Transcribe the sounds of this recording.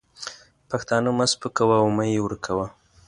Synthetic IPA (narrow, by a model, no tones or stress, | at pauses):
paxt̪ɑnəmaspəkawawmajewəɾkʰawa